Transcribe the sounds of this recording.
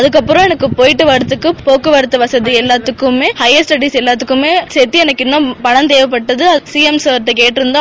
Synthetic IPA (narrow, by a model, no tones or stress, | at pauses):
ɐðɯkːɐpːɯɾõɛnɐkːɯpoːjɪʈːɯʋɐɾɐt̪ːɯkːɯpoːkːɯʋɐɾɯt̪ːɯʋɐsɐðiɛlːaːt̪ːɯkːɯmːeːhɐɪɐsʈɐɖiːsɛlːaːt̪ːɯkːɯmeːsɛt̪ːiɛnɐkːɪnːɐ̃pɐɳɐnt̪eːʋɐpːɐʈːɐðɯɐsiːɛmsɐːɾʈ̪ːɯkeːʈːɪɾɯnd̪ã